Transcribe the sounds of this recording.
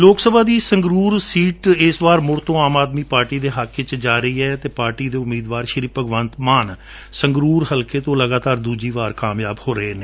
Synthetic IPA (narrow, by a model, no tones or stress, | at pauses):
loːksəbʱaːd̪iːsəŋɡɾuːɾsiːʈɪsʋaːɾmʊɾt̪õːaːmaːd̪miːpaːɾʈiːd̪eːɦakʰːɪt͡ʃd͡ʒaːɾəiːɛːt̪eːpaːɾʈiːd̪eːʊmiːd̪ʋaːɾʃəɾiːpəɡʋənt̪maːn | səŋɡɾuːɾɦəlkeːt̪õːləɡaːt̪aːɾd̪uːd͡ʒiːʋaːɾkaːmjaːbhoːɾəɦeːneː